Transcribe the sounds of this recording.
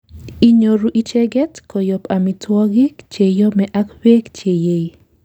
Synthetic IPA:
i˦ɲoɾuʔi˦t͡ʃɛɡɛ˦tkʰɔjɔpa˨mitwɔ˦ɡi˦kt͡ʃe˨jɔ˦mɛʔakwe˦kt͡ʃe˨je˦j

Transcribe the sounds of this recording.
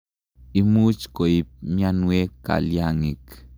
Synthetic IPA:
imu˦t͡ʃko˨ip̚mjanwe˦ka̰˨ljaŋi˨k

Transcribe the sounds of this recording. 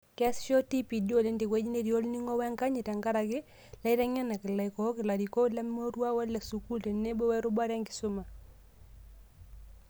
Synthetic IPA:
kɛ˦sʃɔ˦ti˦pi˨do˦˨le˦nde˨kwɛ˦d͡ʒi˦ne˦˨ɾi˨o˦lni˦ŋɔ˦wɛ˦ŋka˦ɲi˨ta˨ŋɡa˦ɾa˨kɪ˦ | la˦i˦ɾa˦ɲa˦na˨kɪ˨la˨i˨kɔ˨˦kɪ˨la˨ɾi˨ko˦la˦mo˦ɾwa˦wɛ˦la˨su˨ku˦ltɛ˨ne˦bo˦wɛ˦ɾʊ˦ba˦ɾa˦ŋɡɪ˨sʊ˦ma˨

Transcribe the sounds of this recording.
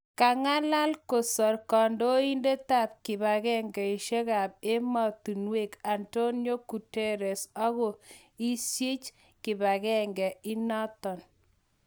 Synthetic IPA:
ka˨ŋa˦la˦lko˨sɔ˨rkɔ˨ndo˦i˦nde˦ta˦˨p̚kɪ˨βa˨kɛ˦ŋɡɛ˨i˨ʃe˦ka˨p̚e˦ma˨tu˨nwe˦˨ka˨nto˦njo˦ku˨te˦ɾɛ˨sɔ˦ɣɔ˨ | i˦sje˦t͡ʃ | kɪ˨ba˨kɛ˦ŋɡɛ˨i˦na˦tɔ˨n

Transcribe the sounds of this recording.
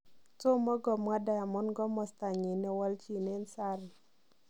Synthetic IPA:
to˦mɔ˦ɡɔ˨mwa˦da˨ja˨mɔ˦nɡɔ˦mɔ˨st̪a˨ɲi˨nɛ˨wa˦lt͡ʃi˦ne˦nsa˦ɾɪ˨

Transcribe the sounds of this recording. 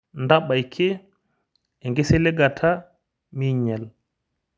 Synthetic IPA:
nda˦ɓa˨jkʰe˦ | e˨ŋɡe˦se˦le˦ɡa˨tʰa˦ | mi˦ɲɛ˨l

